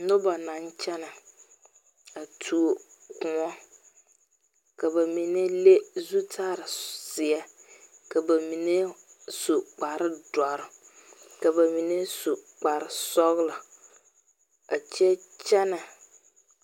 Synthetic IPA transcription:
nʊ˦ba˨na˨˦nt͡ʃɛ˦na˨ | a˨tʰu˨o˨ | kʊ̃˨ŋɔ˦ | ka˨ba˨mi˨ne˦le˦zu˦tʰaː˦˨ɾɪ˨sɪ˨ɛ˦ | ka˨ba˨mi˨ne˦ | su˨k͡pa˨ɾɪ˦da˨ɾɪ˦ | ka˨ba˨mi˨ne˦su˨k͡pa˨ɾɪ˨sɔ˦ɣla˨ | a˨t͡ʃɛ˦t͡ʃɛ˦na˨

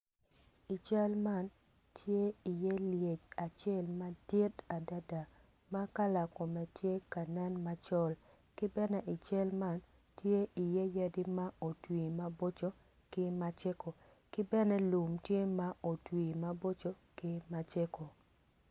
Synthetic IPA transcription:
i˨t͡ʃa˦lma˦n | tʰje˦i˨jɛ˦lje˨t͡ʃa˨t͡ʃɛ˦˨lma˦d̥ɪ˦ta˨da˦da˨ | ma˦ka˦la˨ko˨mɛ˨tje˦ka˨nɛ˦nma˦t͡ʃɔ˦l | kɪ˦bɛ˦nɛ˦ʔi˨t͡ʃɛ˦lma˦n | tje˦ʔi˨je˦ja˦di˦ma˦o˨twiː˨ma˦bo˦t͡ʃo˦ | kɪ˦ma˦t͡ʃe˦ko˨ | kɪ˦bɛ˦nɛ˦lu˨mtje˦ma˦ʔo˨twi˨ma˦bo˦t͡ʃo˦ | kɪ˦ma˦t͡ʃe˦ko˨

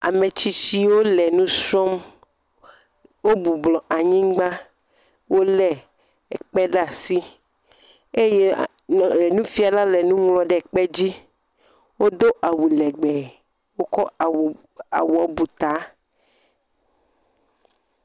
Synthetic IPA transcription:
a̰˨me˨t͡ɕi˦t͡ɕi˦wo˦lɛ˨nũ˦sɾɔ˦m | wo˦bu˨blɔ˨ʔa˨ɲĩ˦ɡ͡ba˦ | wo˦lɛ˨ | ɛ˨k͡pɛ˦ɖa˦˨si˦ | e˦je˦˨ | nũ˦fi˦a˨la˦lɛ˨nũ˦ŋlɔ̃˨ɖɛ˨k͡pɛ˦d͡ʑi˦ | wo˦d̪o˦ʔa˨wu˨lɛ˨ɡ͡bɛ˨ | wo˦kɔ˦˨ | a̰˨wu˨a˨bu˨t̪a˨˦

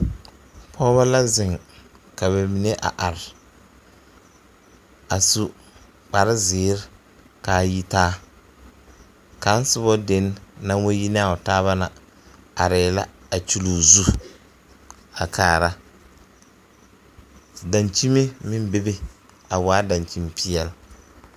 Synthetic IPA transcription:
pʰɔː˦βa˦la˦zɪ˨ŋ | ka˨βa˨mi˨ne˦ʔa̰˨ʔa˨ɾɪ˨ | a˨su˦ | k͡pa˨ɾɪ˦zɪː˨˦ɾɪ˦ | ka˨ji˦taː˦ | ka˨˦n˦sʊ˦bɔ˦de˨˦nː˦a˦ŋ˦wo˦ji˦n˦a˨ʊ˨taː˦βa˦na˨ | a˨ɾɪː˨la˦a˨t͡ʃu˦luː˨zu˦ | a˨kʰaː˨ɾa˦ | da˨nt͡ʃi˦me˦mɪ˦m˦be˦be˦ | a˨waː˨˦da˨nt͡ʃi˦m˦pi˦jɛ˦l

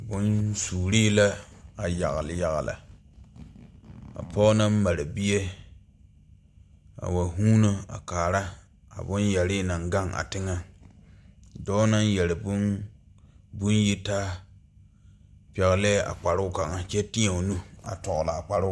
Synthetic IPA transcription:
bʊ˦nsuː˨ɾiː˦la˦a˨ja̰˨ɣlja˨ɣa̰˨la̰˨ | a̰˨pʰɔ˦na˦m˦ma˨ɾa˨bi˦je˦ | a̰˨wa˨ɦuː˦no˦a̰˨kaː˨ɾa˦ | a̰˨bʊ˦njɛ˨ɾɪ˦na˨ŋɡa˦ŋʔa̰˨tɪ˦ŋa˦ | dɔː˦na˦njɛ˨lɪ˨bʊ˦n | bʊ˦nji˦taː˦ | pɛ˨ɣlɛː˦˨a̰˨k͡pa˨ɾʊ˦ka˨ŋa˦t͡ʃɛ˦tɪ˦ɲa˨nu˦a̰˨tɔ˨ɣla˨a˨k͡pa˨ɾʊ˦

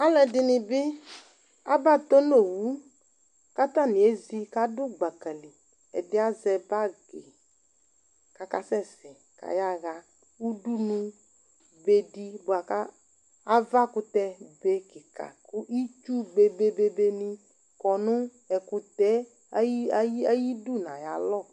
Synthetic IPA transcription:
a˦lɛ˨dɪ˨nɪ̃˨bɪ˦ | a˦ba˦˨t̪o˦no˦˨wu˨˦ | ka˦t̪a˦˨nɪ̃˨e˦zi˦ka˨dʊ˦ɡ͡ba˨kɛ˨lɪ˨ | ɛ˨dɪ˦a˦zɛ˨ba˦ɡe˨ | ka˨ka˨sɛ˦˨sɪ˨ | ka̰˨ja˦˨ɣa˨ | u˦du˦nũ˦ | be˦di˦bʊ˨a˨kaː˦ | va˦kʊ˦t̪ɛ˦be˦kɪ˨ka̰˨kʊ˦ʔi˦t͡ʃu˦be˨be˦be˦be˦nɪ˦ | kɔ˨nʊ˦ | ɛ˨kʊ˨tɛ˦ | a˦ji˦du˦˨nã˨ja˨lɔ˦˨

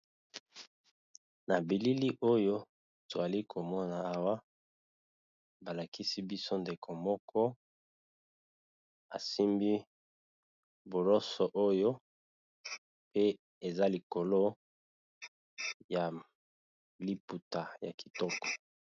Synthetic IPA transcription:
na˨bi˨li˦li˦ʔo˦jo˦ | to˨a˨li˦kʰo˨mɔ˦na˨a˦wa˦ | ba˨la˨ki˦si˦bi˦so˦nde˨kʰo˨mɔ˦kʰɔ˦ | a˨si˦mbi˦ | bo˨lɔ˦sɔ˨ʔo˦jo˦ | pe˦ | e˨za˦li˨ko˨lo˦ | ja˨ | li˦pu˨ta˨ja̰˨ki̥˨tɔ˦kɔ̥˨

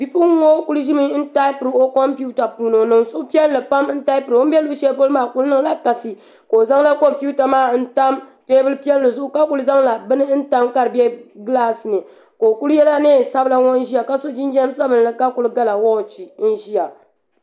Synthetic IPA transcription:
bi˦pʊ˦ŋo˦ku˦lʒi˦mɨ˦n̩˦ta˦ɪ˦pɨ˨ɾɨ˨o˦kɔ˦mpu˦ta˨puː˨no˨nɨ˨ŋsʊ˦pi˦ɛ˦n˦lɨ˨pa˦mn̩˦ta˦ɪ˦pɾo˦bɛ˦lu˦ʃɛ˦po˦lɨ˦maː˦˨ku˦lnɨ˦ŋ˦la˦ka˨sɨ˨ | ko˨za˦ŋla˦kɔ˦mpu˦ta˨maː˦n̩˦ta˦mteː˦bɨ˦lɨ˦pi˦ɛ˦llɨ˨zʊ˦ʔʊ˦ka˦ku˦lɨ˦za˦ŋla˨bɨ˦nɨ˦n̩˦ta˦mka˦ɾɨ˨bɛ˦ɡɨ˦la˦˨sɨ˨nɨ˨ | ko˨ku˦ljɛ˦la˦neː˦˨sa˦bla˨wo˦n˦ʒi˦a˨ka˦so˦d͡ʒi˦n˦d͡ʒɛ˦msa˦bɨ˨n˨ɨ˨ka˦ku˦lɨ˦ɡa˦la˨wɔ˦˨t͡ʃi˨n̩˦ʒi˦ja˨

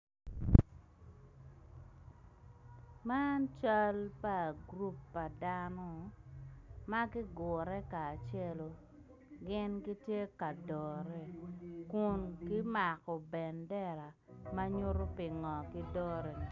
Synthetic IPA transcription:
ma˦nt͡ʃa˦lpa˨ɡɾu˦pːa˨da˦no˨ | ma˦ɡɪ˦ɡʊ˨ɾɛ˦kaː˨t͡ʃe˦lo˨ | ɡɪ˦nki˦tje˦ka˨dɔ˨ɾɛ˦kʊ˨nki˦ma˨kɔ˨bɛ˨ndɛ˦˨ɾa˨ma˦ɲu˦ɾo˦pɪ˨ŋɔ˨kɪ˦dɔ˦ɾɛ˨

